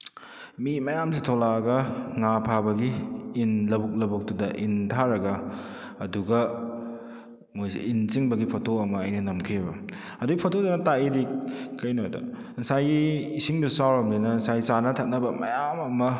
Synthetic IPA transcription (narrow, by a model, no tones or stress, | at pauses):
mimɐjamsitʰolaɡɐŋapʰabɐɡiːnlɐbuk̚lɐbuk̚dudɐʔintʰaɾɐɡɐɐduɡɐ | mojsḛint͡ʃiŋbɐɡipʰotʰoɐmɐːjnɐnɐmkʰibɐ | ɐduɡipʰotʰodɐnɐtaidikkːɐjnodɐ̰ | nsajɡiːsiŋdusawɾɐmlinɐnsajsanɐtʰak̚nɐbɐmɐ̰jamɐmɐ